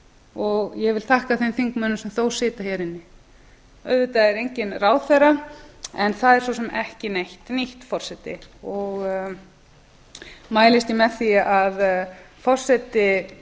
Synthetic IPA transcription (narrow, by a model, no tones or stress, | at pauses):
ɔɣjɛvɪlθʰahkaθemfiŋkmœːnːʏmsɛmθowsɪːt̪açɛɾɪnːɪ | œðvɪt̪aɛɾejɲcɪnraːwθɛraɛnθaðɛɾsvowsɛmɛhcɪnejht̪niht̪fɔr̥sɛt̪ɪ̰ɔɣ | maːjlɪst̪jɪmɛðθiað | fɔr̥sɛt̪ɪ